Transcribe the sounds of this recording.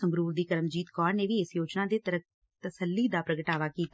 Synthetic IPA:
əmɾuːɾd̪iːkəɾmd͡ʒiːt̪kɔːɾneːʋiːɪsjoːt͡ʃnãːd̪eːt̪əə | t̪əsəlːiːd̪aːpɾəɡəʈaːʋaːkiːt̪

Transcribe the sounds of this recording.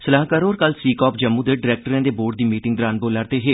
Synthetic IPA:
səlaːɦkaːɾoːɾkəlsiːkɔːpd͡ʒəmːũːd̪eɖɪɾɛːk̚ʈəɾẽːd̪eːboːɾɖ̚d̪iːmiːʈɪ̃ŋɡd̪ɾaːnboːlaɾt̪eːɦeː

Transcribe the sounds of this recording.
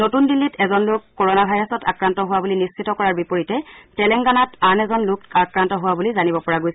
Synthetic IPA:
notundilːitʰɛzɔnlʊkːoɹɔnabʱajɹɔsɔtakɹantɔɦʊwabulinisːitɔkɔɹaɹbipoɹitɛtɛlɛŋɡanatanɛzɔnlʊkakɹantɔɦʊwabulizanibɔpɔɹaɡojsɛ

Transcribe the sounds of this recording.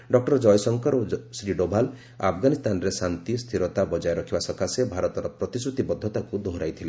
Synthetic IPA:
ɖɔk̚ʈɔɾd͡ʒɔjsɔŋkɔɾosɾiɖobʱal | a̰pʰɡanist̪ʰanɔɾesant̪ist̪ʰiɾɔt̪abɔd͡ʒajɾɔkʰibasɔkasebʱaɾɔt̪ɔɾɔpɾɔt̪isut̪ibɔd̪ʱːɔt̪akud̪ʱoɦɾajt̪ʰile

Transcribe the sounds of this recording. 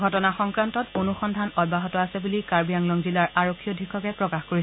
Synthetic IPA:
ɡʱɔtɔnaxɔŋkɹantɔtonuxɔndʱanɔd̚baɦɔtɔasɛbulikaɹbijaŋlɔŋzilaɹaɹokʰːijɔdʱikʰːɔkɛpɹɔkaxkoɹis

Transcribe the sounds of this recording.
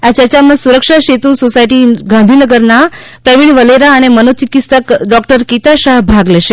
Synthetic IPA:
at͡ʃəɾt͡ʃamãsuɾəkʂaʃet̪usosajʈiɡãnd̪ʱinəɡəɾna | pɾəʋiɳ̃ʋəleɾaənemənot͡ʃikit̪st̪əkɖɔkʈəɾkit̪aʃaɦbʱaɡleʃe

